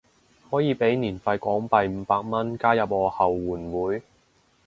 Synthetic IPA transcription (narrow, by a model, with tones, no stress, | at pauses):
hɔː˨˥jiː˨˧pe˨˥jniː˨˩nfɐ˧jkʷɔː˨˥ŋpɐ˨˧jm̩˨˧˦paː˧k̚mɐ˥nkaː˥jɐ˨p̚ŋɔː˧hɐ˨wwuː˨˩nwuː˨˥j